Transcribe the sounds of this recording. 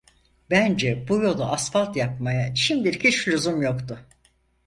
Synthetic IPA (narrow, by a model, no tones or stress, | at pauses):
bænd͡ʒɛbujo̞lˠuʔasfalˠt̪jap̚majaʃimd̪iɾcʰiʃflʲuzumjokt̪ʊ